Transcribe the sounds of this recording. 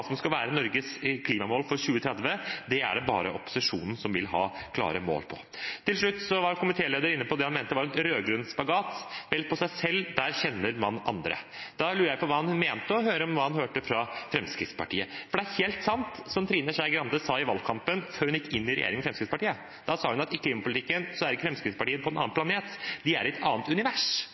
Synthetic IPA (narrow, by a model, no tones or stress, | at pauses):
sɔmskɑʋæːɾənɔɾɡəskʰliːmɑmoːlfɔɾɕʉːət̪ʰɾɛd̪ʋəd̪ɛæ̰ɖɛbɑ̰ːɾə̰ʔɔpːʊ̥sɪʂṵːnn̩sɔmʋɪlɦɑ̰ːkʰlɑ̰ːɾəmo̰ːlpʰɔ | t̪ʰɪlʂɭʉt̪ːsɔʋɑɾkʊmɪt̪ʰeːleːd̪əɾɪnːəpɔd̪ɛhɑnmeːnt̪əʋɑɾɛnɾøːɡɾʉnspɑɡɑːt̪ʋɛlpʰɔsæɪsɛld̪æɾçɛnːəɾmɑnɑ̰nd̪ɾə̰ | d̪̥ɑlʉːɾəjæɪpɔʋɑːhɑnmeːnt̪əɔɦøːɾəɔmʋɑːhɑnhøːʈəfɾɑfɾɛmskɾɪtspɑʈʰḭːəfɔɖɛæɾheːlt̪sɑnt̪sɔmt̪ʰɾiːnəʂæɪɡɾɑnd̪əsɑːɪʋɑlkʰɑmpənføːɾhʉnɪkːɪnːɪɾɛ̰jḛːɾɪŋmfɾɛmskɾɪt̪spɑʈiːə | d̪̥ɑsɑːhʉnɑt̪ɪkʰliːmɑpʊlt̪ɪkːənsɔæɾɪkːəfɾɛmskɾɪt̪spɑʈiːənpɔɛnɑːnplɑneːt̪d̪ɪæ̰ɾɪɛt̪ʰɑ̰ːənt̪ʉnɪʋæʂ